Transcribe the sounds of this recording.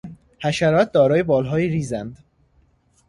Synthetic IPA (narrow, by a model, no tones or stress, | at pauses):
hæʃæɾɒːt̪̚d̪ɒːɾɒːjebɒːlɦɒːjiːɾiːzænd̪